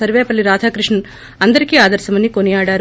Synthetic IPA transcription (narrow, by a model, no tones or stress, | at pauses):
ɐɾʋeːpɐlːiɾaːd̪ʱaːkɾiʂɳɐ | ɐnd̪ɐɾikiaːd̪ɐɾʃɐmɐnːikonɛjaːɽaːɾ